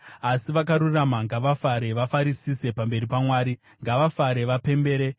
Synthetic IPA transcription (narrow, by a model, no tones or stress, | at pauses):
asiʋak̬aɾuramaŋɡaʋafaɾe̞ʋafaɾisise̞pambe̞ɾipamwaːɾi | ŋɡaʋafaɾe̞ʋape̞mbe̞ːɾe